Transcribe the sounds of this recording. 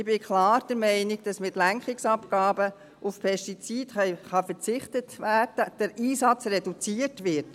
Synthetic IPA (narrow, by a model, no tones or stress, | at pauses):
ɪb̥ɪkʰlɑːɾd̥əɾmɛɪnɪɡ̚d̥ɑsmɪtlæŋkχɪksɑpɡ̥ɑːbə | ʔufpʰɛʃtit͡siːdχχɑfəɾt͡sɪχtətʋæːd̥əd̥əɾiːsɑt͡srɛdut͡siːətʋɪt